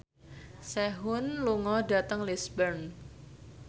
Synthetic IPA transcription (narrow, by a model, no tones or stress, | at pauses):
sɛɦʊnluŋɔdat̪əŋlisbərn